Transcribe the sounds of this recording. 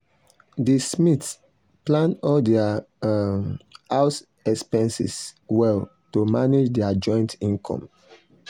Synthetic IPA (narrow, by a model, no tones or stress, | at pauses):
dismits | plãnɔldɛa | haʊs | ɛkspɛ̃nsḭswɛl | tomaned͡ʒdɛad͡ʒɔ̃ɪ̃ntĩnkʰɔ̰̃m